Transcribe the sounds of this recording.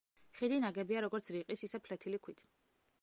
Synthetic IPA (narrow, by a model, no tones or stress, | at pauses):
χid̪inaɡɛbiaɾɔɡɔɾt̪sʰɾiqʼisisɛpʰlɛt̪ʰilikʰwit̪ʰ